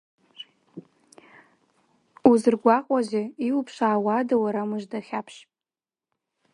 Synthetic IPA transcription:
uzɨrɡʷaqʼʷazeiwupʰʂaːwadawaɾamɨʒdaχʲapʰʃʼ

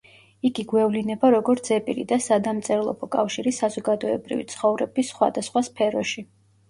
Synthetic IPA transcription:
iɡiɡwɛvlinɛbaɾɔɡɔɾt̪sɛpʼilḭd̪asad̪amt̪sʼɛɾlˠɔ̰bɔkʼafʃiɾisazɔɡad̪ɔɛbɾḭvḭt̪sʰχɔvɾɛbisχwa̰d̪asχwaspʰɛɾɔʃi

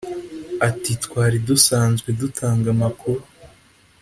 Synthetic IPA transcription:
atitkwaːɾidusaːnzɡwedutʰaːŋɡamakʰuɾu

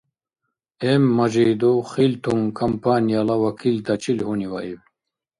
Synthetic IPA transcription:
emːɐʑejd̪oχilt̪ʰuŋkʰɐmpaːnijalawɐkʰilt̪ɐt͡ɕilhuniwaiw

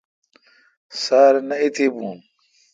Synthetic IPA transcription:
saːɾnɐit̪ʰibũː

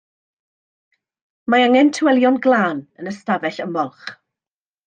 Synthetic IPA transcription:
maaŋɛntʰwɛlˠjɔnɡlˠaːnənəstavɛɬəmɔlˠχ

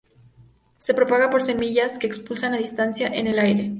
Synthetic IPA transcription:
se̞pɾo̞paɣapo̞ɾse̞miʝaske̞ːkspulsanaðist̪ansjaʔene̞lajɾe̞

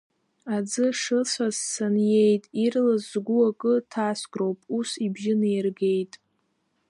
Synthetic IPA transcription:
ad͡zɨʂɨsʷʰazːanje̞jtʼirlazzɡʷuakʼɨtʰasɡrowpʼusibʒɪnejrɡe̞jtʼ

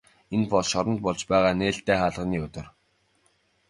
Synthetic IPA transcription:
enpɔɮʃɔɾɞ̆nt̪̚pɔɮt͡ɕpæːʁaːneːɬt̪eːχaːɮʁə̆niːɵt̪ɵ̆r

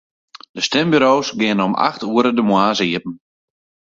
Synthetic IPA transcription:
d̥əstɛmbyɾowsɡɪənəɔma̰xtuəɾədəmwaːzəiəp̚n̩

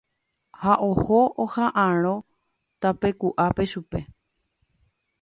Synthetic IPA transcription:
haʔohoohãʔãɾ̃õ̞ | t̪ape̞kuʔape̞ʃupe̞

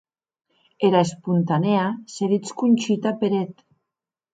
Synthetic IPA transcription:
eɾaespunt̪aneaseðit͡skunʲt͡ʃit̪apeɾet̪

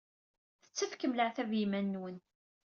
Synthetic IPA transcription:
θə̥t͡sːəfkəmləʕθævjimænːwən

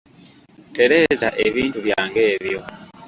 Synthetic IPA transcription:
te̞ɾe̞ːzaʔe̞βiːntuβjaːŋɡe̞ːβjo̞

